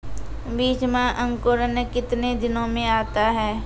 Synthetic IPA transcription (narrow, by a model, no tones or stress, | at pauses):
biːt͡ʃmãʔə̃ŋkoːɾənəkɪt̪ned̪ɪnõmẽaːt̪aɦɛː